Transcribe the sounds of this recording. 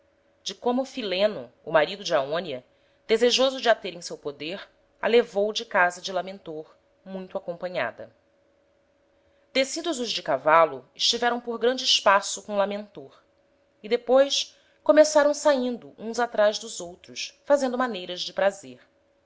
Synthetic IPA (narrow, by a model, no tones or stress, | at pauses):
d͡ʒɪkõmʊfilẽnʊ̰ːmaɾid̪ʊd͡ʒɪaõniɐ | d̪̥ezeʒozʊd͡ʒɪat̪eɾẽj̃sewpod̪eɾ | a̰levowd͡ʒɪkazɐd͡ʒɪlamẽnt̪oɾ | mũj̃t̪ʊakõmpɐ̃ɲa̰d̪ɐ̰ | d̪̥esid̪ʊzʊzd͡ʒɪkavalʊɪʃt͡ʃivɛɾɐ̃w̃poɾɡɾɐ̃nd͡ʒɪɪʃpasʊkõlamẽnt̪oɾ | id̪epojs | komesaɾɐ̃w̃saĩnd̪ʊʔũzat̪ɾaʒd̪ʊzowt̪ɾʊsfazẽnd̪ʊmanejɾɐzd͡ʒɪpɾazeɾ